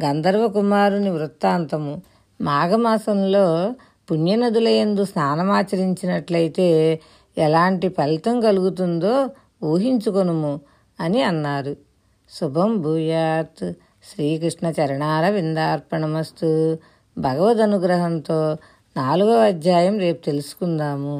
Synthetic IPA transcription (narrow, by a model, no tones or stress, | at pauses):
ɡɐnd̪ɐɾʋɐkumaːɾuniʋɾut̪ːaːnt̪ɐmu | maːɡɐmaːsɐmlo̞ː | punjɐnɐd̪ulɐjend̪usnaːnɐmaːt͡ʃɐɾiɲt͡ʃinɐʈlɐjt̪e̞ː | ɛlaːɳʈipɐlt̪ɐmkɐluɡut̪und̪oː | uːɦiɲt͡ʃukonɐmu | ɐniɐnːaːɾu | subʱɐmbʱuːjaːt̪ | ʃɾiːkɾiʂɳɐt͡ʃɐɾɐɳaːɾɐʋind̪aːɾpɐɳɐmɐst̪u | bʱɐɡɐʋɐt̪̬ɐnuɡɾɐɦɐnt̪o̞ː | naːluɡɐɐd̪ʱjaːjɐmɾe̞ːpu̥t̪e̞lusu̥kund̪aːmu